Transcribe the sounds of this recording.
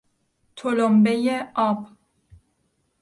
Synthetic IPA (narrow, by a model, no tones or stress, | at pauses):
t̪ʰolombejeɒːb